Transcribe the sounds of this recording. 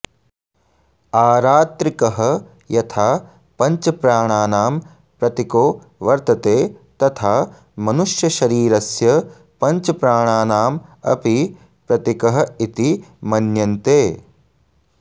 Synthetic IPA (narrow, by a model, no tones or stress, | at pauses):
aːɾaːt̪ɾikɐɦɐ | jɐt̪ʰaː | pɐɲt͡ʃɐpɾaːɳ̃aːnaːm | pɾɐt̪ikoː | ʋɐɾt̪ɐt̪eːt̪ɐt̪ʰaː | mɐnuʃjɐʃɐɾiːɾɐsjɐ | pɐɲt͡ʃɐpɾaːɳ̃aːnaːmɐ̰pi | pɾɐt̪ikɐɦɐ̆it̪imɐnjɐnt̪eː